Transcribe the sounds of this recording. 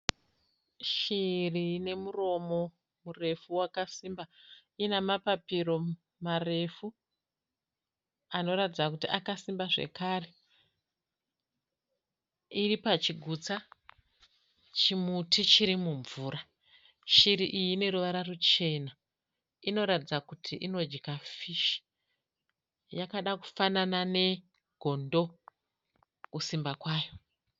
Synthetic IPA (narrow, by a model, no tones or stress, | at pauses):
ʃirine̞muro̞mo̞ | mure̞fuwakasimba | inamapapiro̞ | mare̞fu | ano̞ɾatid͡zakutiʔakasimbaʐe̞̰kaːre̞ | iripat͡ʃiɡʱut͡sa | t͡ʃimutit͡ʃiɾimuɱvuːɾa | ʃiɾiʔijine̞ɾuʋaɾarut͡ʃe̞na | ino̞ɾatid͡zakutʰiʔino̞d͡ʒikafiʃi̥ | jakaɗaku̥fananane̞ | ɡʱo̞ndo̞ | kusimbakwaːjo